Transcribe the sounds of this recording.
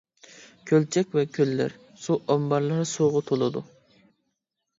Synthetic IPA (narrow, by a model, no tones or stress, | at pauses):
kʲʰølt͡ʃʰɛkʲvɛkʲʰølːɪ̰ɾ | suʔɔmbɑɾlˠɨɾɨsuʁʊt̪ʰolˠɨd̪u